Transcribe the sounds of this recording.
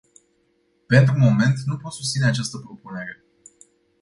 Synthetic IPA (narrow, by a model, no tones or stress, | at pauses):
pe̞nt̪ɾumo̞me̞nt̪nupo̞t̪sust̪sine̞at͡ʃast̪əpɾo̞pune̞ɾe̞